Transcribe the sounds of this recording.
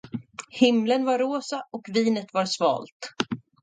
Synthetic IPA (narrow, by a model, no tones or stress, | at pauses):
hɪmlənvaɾːoːsaɔkviːnət̪vaɾsvɑ̰ːlt̪